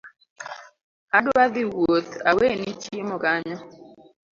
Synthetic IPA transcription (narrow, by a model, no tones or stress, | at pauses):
adʊad̪ɪwot̪awenit͡ʃemɔkaɲɔ